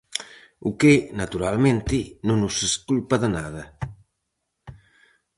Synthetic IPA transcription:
ukenat̪uɾalment̪inunuseskulpaðanaðɐ

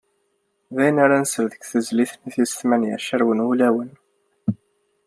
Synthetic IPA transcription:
ðæjənaɾanəsəɾðəɡθəzliθniθisθmænjæ̰ʃəɾwənulæwən

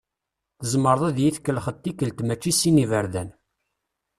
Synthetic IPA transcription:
θəzməɾˤðˤæðjiθkːəlχət̪ːikəlt̪mæt͡ʃːisinivəɾðæn

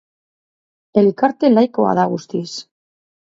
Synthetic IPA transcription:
elkaɾt̪elajkoa̰ðaɣust̪is

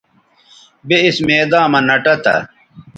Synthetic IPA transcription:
beismeːd̪aːmɐnɐʈɐt̪ɐ̰

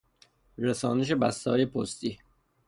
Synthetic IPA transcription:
ɾesɒːneʃ̬e̞bæst̪ɒːjepʰost̪iː

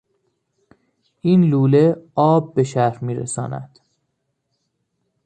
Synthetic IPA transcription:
ʔiːnluːle̞ɒːb̚ːe̞ʃæɾmiːɾḛsɒ̰ːnæ̰d̪̥

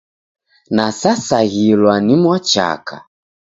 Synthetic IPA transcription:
nasasaɣilwanimwat͡ʃa̰kʰa̰

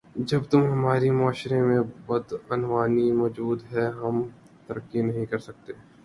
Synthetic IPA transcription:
d͡ʒɐbt̪ʊmɦɐmaːɾimʊaːʃɾẽmẽbɐd̪ɐnʋaːnimɔːd͡ʒuːd̪ɦɛɦɐm | t̪ɐɾəkːinɐɦĩkɐɾsɐk̚t̪eː

